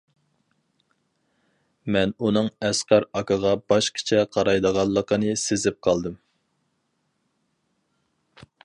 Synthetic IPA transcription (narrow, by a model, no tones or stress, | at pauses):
mɛnunɨŋɛsqɑɾɑkʰɑʁɑbɑʃkʲʰi̥t͡ʃʰɛqʰɑɾɑjd̪əʁɑnlˠːəqənɨsezɪp̚qʰɑlˠd̪ɨm